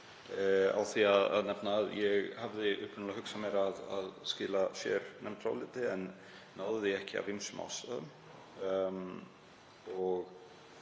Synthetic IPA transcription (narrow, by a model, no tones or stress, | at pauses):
a̰wθiaða̰ðnɛpnaːðjɛɣhavðɪʔʏ̰hpɾɪnlahɦʏksamjɛɾaða̰ðscɪːlasjɛ̰ɾnɛmt̪ʰɾa̰wlɪːt̪ɪɛnː | awððɪɛhcɪa̰vimsʏma̰wsaðʏm | ɔɣ